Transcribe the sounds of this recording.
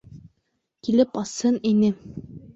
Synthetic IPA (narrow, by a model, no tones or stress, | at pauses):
kilɘpɑshɤninɘ